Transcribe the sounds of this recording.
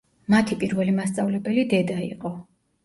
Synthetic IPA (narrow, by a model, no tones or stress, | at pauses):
mat̪ʰipʼiɾvɛlimast̪sʼavlɛbɛlid̪ɛd̪aḭqʼɔ